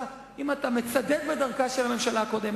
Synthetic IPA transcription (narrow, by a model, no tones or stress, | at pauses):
imatame̞t͡sad̪ed̪bed̪aʁkaʃelhame̞mʃalako̞d̪em